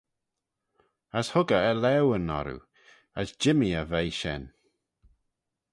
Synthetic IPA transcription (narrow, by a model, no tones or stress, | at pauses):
əshʊɡəəlɛwənɔ̰ɾṵ | əsd͡ʒɪmiəvejʃɛ̰n